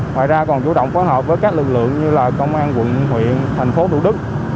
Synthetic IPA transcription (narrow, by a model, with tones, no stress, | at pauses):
ŋwa̰ː˧˨jzaː˧kɔ˨˩nt͡ɕu˧˦ɗə̰˧˨wŋ͡mfɔː˨˦jɦəː˨˩p̚vəː˨˦jkaː˦˥k̚lɨ˨˩k̚lɨ̰˧˨əŋɲɨ˧laː˨˩kə˧wŋ͡mʔaː˧nkwə̰˧˨nhwḭ˧˨ənt̪ʰɛ˨˩jŋ̟fo˨˦t̪ʰu˧˥ɗɨ˦˥k̚